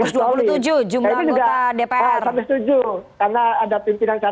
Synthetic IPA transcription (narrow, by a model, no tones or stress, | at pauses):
ʊsduauut̪ud͡ʒud͡ʒumaiaid͡ʒuɡaadepearambɪst̪ud͡ʒukarnaːdapimpinaŋt͡ʃa